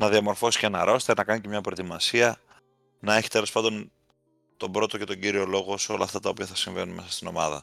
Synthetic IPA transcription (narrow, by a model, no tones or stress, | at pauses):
nɐðiɐmo̞ɾfo̞si̥ce̞nɐɾʔo̞se̥t̪enɐkɐnicemɲɐpɾo̞et̪imɐsiɐ | nɐeçi̥t̪e̞lo̞spɐnd̪o̞n | t̪o̞bɾo̞t̪o̞ce̞t̪o̞ɟiɾio̞lo̞ɣoso̞lɐːft̪ɐt̪ɐopiɐθɐsiɱve̞nunme̞sɐ̥st̪ino̞mɐ̰ðɐ̰